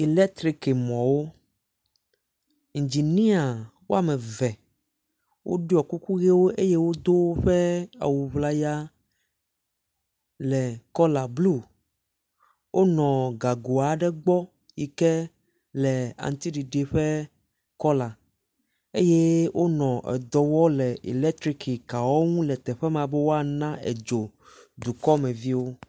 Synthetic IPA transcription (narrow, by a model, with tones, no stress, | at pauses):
i˨lɛ˦t̪ɾi˦ke˨mɔ̃˨wo˦˨ | d͡ʒi˨nĩ˦a˨wo˦a˦˨mɛ˨vɛ˨ | wʔo̰˦ɖi˦ɔ˨ku˦ku˦ɣe˦wo˦ʔe˦je˦wo˦d̪o˦ɸɛ˦a̰˨wu˨βla˦ja˦ | lɛ˨kɔ˦la˨blu˦ | wʔo˦nɔ̃˨ɡa˨ɡo˨a˨ɖɛ˦ɡ͡bɔ˦ | ji˨kɛ˦ | lɛ˨a̰˨ŋ˨t̪i˦ɖi˨ɖe˨ɸɛ˦ | kɔ˦la˨ | e˦je˦wʔo˦nɔ̃˨ʔɛ̰˨d̪ɔ˨wɔ˦lɛ˨ʔḭ˨lɛ˦t̪ɾi˦ki˨ka˨wɔ˦ŋũ˦lɛ˨t̪ɛ˨ɸɛ˦mã˨bɛ˦wo˦a˨nã˦ʔɛ̰˨d͡ʒo˨d̪u˨kɔ˦mɛ̃˨vi˦wo˦